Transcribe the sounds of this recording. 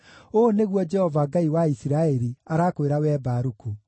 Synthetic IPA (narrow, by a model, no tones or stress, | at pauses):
oːneɣwɔd͡ʒɛhɔvaɡaiwaisiɾaɛɾiaɾaːkoeɾawɛːbaɾuku